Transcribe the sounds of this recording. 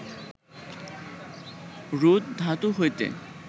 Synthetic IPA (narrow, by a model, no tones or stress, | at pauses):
ɾud̪d̪ʱat̪uɦojt̪ḛ